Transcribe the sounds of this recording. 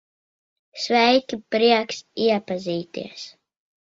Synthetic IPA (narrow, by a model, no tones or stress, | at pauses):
svɛjkʲipɾiɛksiɛpaziːt̪ḭɛs